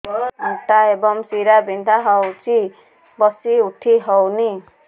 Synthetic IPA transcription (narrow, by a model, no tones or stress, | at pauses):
uʈaebʌŋsiɾabʱind̪ʱaɦʌwt͡si | bʌsiuʈʰiɦʌwni